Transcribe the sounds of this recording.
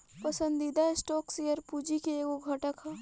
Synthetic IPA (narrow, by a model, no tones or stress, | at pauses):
pɐsə̃nd̪id̪aesʈɔːksijəɾpuːd͡ʒikeekʊɡʱɐʈəkɦɛː